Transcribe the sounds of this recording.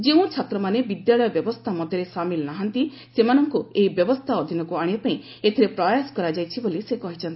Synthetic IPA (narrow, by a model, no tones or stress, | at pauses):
d͡ʒeũt͡ʃʰat̪ɾɔmanebid̪jaɭɔjɔbjɔbɔst̪ʰamɔd̪ʱjɔɾesamilɔnaɦant̪i | semanɔŋkueibjɔbɔst̪ʰaɔd̪ʱinɔkuaɽ̃iapaĩ | et̪ʰiɾepɾɔjasɔ̥kɔɾad͡ʒajt͡ʃʰibolisekɔɦit͡ʃʰɔnt̪i̥